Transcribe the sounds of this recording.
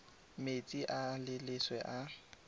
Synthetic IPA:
met͡sʼiʔalɪlɪswɛʔa

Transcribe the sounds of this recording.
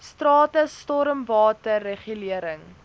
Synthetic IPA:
strɑːtəstɔɾəmvɑːtərːeχyliəɾəŋ

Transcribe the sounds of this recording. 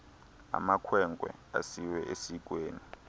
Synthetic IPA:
a̰makʰwɛŋɡʱwɛ̰a̰siwɛʔesik̬ʼweːni

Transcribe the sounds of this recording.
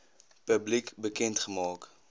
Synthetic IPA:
pøblikbəkɛntχəmɑːk

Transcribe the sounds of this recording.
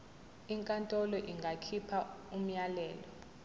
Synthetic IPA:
iŋkʼantʼɔlɔʔiŋɡʱakʰipʰaum̩ɲjalɛːlɔ

